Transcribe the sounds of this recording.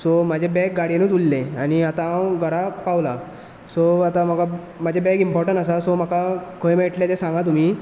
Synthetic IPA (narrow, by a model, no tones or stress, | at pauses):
sɔmad͡ʑʱebɛk̚ɡaɽenut̪ulːeañiat̪aãwɡʱəɾapawla | soat̪am̤aka | mad͡ʑʱebɛkimpɔɾʈəɳʈasasɔm̤akakʰojmeʈljad͡zesãŋɡat̪̬um̤iː